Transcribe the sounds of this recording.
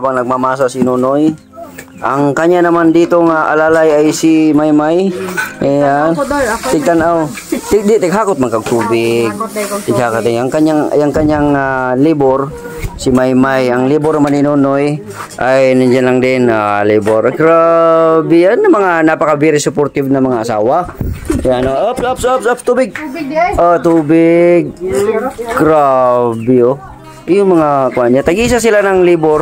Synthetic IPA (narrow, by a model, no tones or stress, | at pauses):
abaŋnɐɡ̚mamaːsasɪnunoj | ʔaŋkaɲanɐmand̪iːt̪oŋaʔa̰lalajajsimajmajajant̪ɪɡ̚t̪anʔaw | t̪ɪɡd̪ɪt̪ɪɡɦaːkʊt̪̚maŋkaɡ̚t̪uːbɪɡ̚t̪ɪɡhakat̪ɪjaŋkaɲaŋjaŋkaɲaŋaliboɾ | sɪmajmajaŋliboɾnɐmanɪnunoj | ʔajnɐd͡ʒanlaŋd̪ɪnaliːboɾkɾabɪanːɐmɐŋanapɐkɐbɪɾɪsʊpoɾt̪ɪvnɐmɐŋaʔɐsa̰ːwajanoʔɐpɐpsɐpsɐpst̪uːbɪɡ̚ʔot̪uːbɪɡ̚ | kɾabjo | jʊŋmɐŋakʊaɲːat̪ɐɡis̬asɪlanɐŋliboɾ